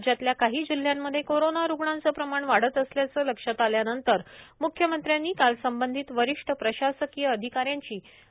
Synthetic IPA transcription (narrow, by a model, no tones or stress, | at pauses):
d͡ʑjat̪ljakaɦiːd͡ʑil̤ːjamːəd̪ʱːjekoɾonaɾuɡɳãnt͡səːpɾəmaɳʋaɽ̤ət̪əsljat͡səːləkʂət̪aljanənt̪əɾmukʰjəmənt̪ɾjanːiːkalsəmbənd̪ʱiːt̪ʋəɾiʂʈʰəpɾəɕasəkiːjəəd̪ʱikaɾjaɲt͡ɕiː